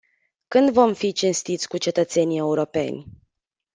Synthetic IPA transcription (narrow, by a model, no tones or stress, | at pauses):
kɨnd̪vo̞mfit͡ʃinst̪it̪sʲkut͡ʃe̞t̪ət̪se̞nie̞uɾo̞pe̞̰nʲ